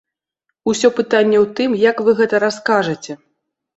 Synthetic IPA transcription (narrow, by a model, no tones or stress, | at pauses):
usʲɔpɨt̪anʲːɛwt̪ɨmjɐkvɨɣɛt̪ɐɾaskaʐɐt͡sʲɛ